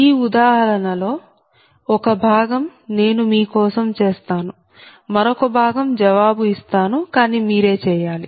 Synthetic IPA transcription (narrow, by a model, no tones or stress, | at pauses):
iːud̪aːɦɐɾɐnɐlo̞ː | ɔkɐbʱaːɡɐmne̞ːnumiːkɔːsɐmt͡ʃeːst̪aːnu | mɐɾokɐbʱaːɡɐmd͡ʒɐʋaːbuist̪aːnukaːniːmiːɾe̞ːt͡ʃɛːjaːli